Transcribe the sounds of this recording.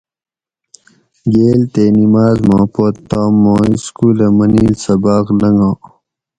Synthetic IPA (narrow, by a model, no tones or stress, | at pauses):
ɡeːlt̪enimaːzmãːpot̪ːaːmːõːiskuːlɐmɐniːlsɐbaːklɐŋɡãː